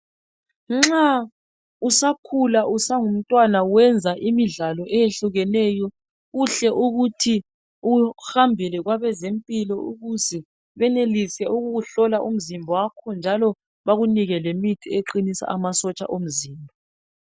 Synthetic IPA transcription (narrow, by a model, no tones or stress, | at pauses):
ŋ͡ǁa | usakʰulaʔusaŋum̩tʼwanawɛnd͡zʱaʔimiɮalɔʔɛjeɬuɣɛnɛːjɔ | ɣuɬɛʔuɣutʰi | uhambʱilɛɣwaβɛzempʼilɔṵɣuzɛ | βɛnelisɛuɣuɣuɬɔlaʔum̩zimbʱɔwakʰɔnd͡ʒʱalɔ | βaɣuniɣɛlemitʰieǃinisa̰ʔamasɔt͡ʃʼa̰ʔom̩ziːmbʱɔ